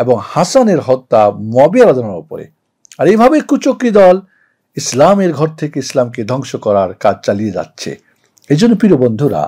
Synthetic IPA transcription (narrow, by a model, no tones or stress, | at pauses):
eboŋhasaneɾɦɔt̪ːamoabijaɾad̪ʱonaɾopo̰ɾḛ | aɾejbʱabekut͡ɕokɾid̪ɔl | islameɾɡʱɔɾt̪ʰekeislamked̪ʱɔŋʃokɔɾaɾkad͡ʑt͡ɕalied͡ʑa̰tːɕʰḛ | ed͡ʑonːopiɾobond̪ʱuɾa̰